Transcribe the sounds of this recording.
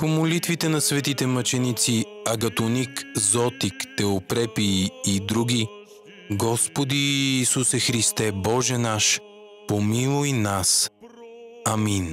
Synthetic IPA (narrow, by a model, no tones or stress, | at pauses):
pomolit̪vit̪ɛnɐsvɛt̪it̪ɛmɐt͡ʃɛnit̪siɐɡɐt̪onikzɔt̪ikt̪ɛopɾɛpiːd̪ɾuɡʲi | ɡɔspod̪iːsusɛxɾist̪ɛbɔʒɛnaʃ | pomilˠoinas | amin